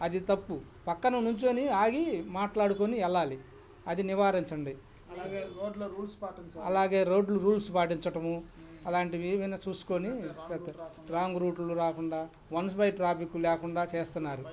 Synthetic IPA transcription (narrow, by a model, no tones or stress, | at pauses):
ɐd̪it̪ɐpːu | pɐkːɐnɐnuɲt͡ʃoːniaːɡimaːʈlaːɽukoːniɛlːaːli | ɐd̪iniʋaːɾiɲt͡ʃɐɳɖi | oːɖluɾuːlspaːʈiɲt͡ʃɐɐ̰laːɡe̞ːɾo̞ːɖluɾuːlsupaːʈiɲt͡ʃɐʈɐmuɐlaːɳʈiʋiʋinɐt͡ʃuːsu̥ko̞ːnipɛd̪ɖɾaːŋɡɾuːʈluɾaːkuɳɖaː | ʋɐns̬bɐjʈɾaːpikːulɛːkuɳɖaːt͡ʃeːst̪unːaːɾu